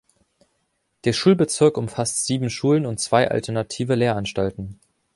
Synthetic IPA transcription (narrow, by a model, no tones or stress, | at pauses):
d̥eːɐʃuːlbət͡sɪɐkʊmfastz̥iːbm̩ʃuːlənʊntt͡sv̥aɪʔa̰ltʰɛɐnatʰiːvəleːɐʔanʃtaltn̩